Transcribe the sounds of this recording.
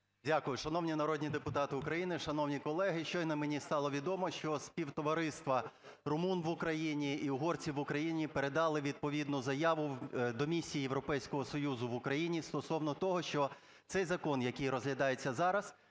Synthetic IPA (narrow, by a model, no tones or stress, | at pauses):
dʲakʊjʊʃɐnɔwnʲinɐɾɔdʲnʲid̪epʊt̪ɑt̪ɪʊkɾɐjinɪʃɐnɔwnʲikɔlˠɛɦɪʃt͡ʃɔjnɐmenʲist̪ɑlˠɔʋʲid̪ɔmɔʃt͡ʃɔsʲpʲiwt̪ɔʋɐɾɪst̪ʋɐ | rʊmunʋʊkɾɐjinʲiiɦɔrt͡sʲiʋʊkɾɐjinʲipeɾed̪ɑlˠɪʋʲid̪̚pɔʋʲid̪nʊzɐjɑʋʊd̪ɔmʲisʲijijeʋɾɔpɛjsʲkɔɦɔsɔjuzʊʋʊkɾɐjinʲist̪ɔsɔwnɔt̪ɔɦɔʃt͡ʃɔ | t̪sɛjzɐkɔnjɐkɪjrɔzɦlʲɐd̪ɑjet͡sʲːɐzɑɾɐz